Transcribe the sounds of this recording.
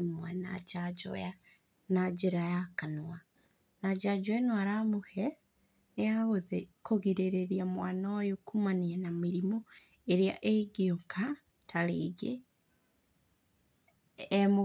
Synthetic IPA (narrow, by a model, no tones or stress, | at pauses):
nwana̰d͡ʒad͡ʒɔ̰ja | nad͡ʒeɾajakanua | nad͡ʒad͡ʒɔanwaɾamohɛ | neaɣoðekoɣiɾeɾeɾiamwanɔjokumaniɛnameɾimo | eɾea̰ʔeɡeoŋka | tʰaɾḛːɡe | mo